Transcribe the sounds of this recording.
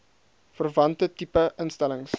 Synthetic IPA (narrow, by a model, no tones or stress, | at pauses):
fərvɐntətipəʔənstæləŋs